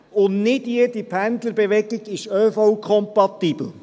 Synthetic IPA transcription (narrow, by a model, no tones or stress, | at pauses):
ʊnnɪdjedipʰænd̪ləɾbɛʋɛɡiɡɪʃœːfɔwkʰχɔmpɑt̪iːb̥l̩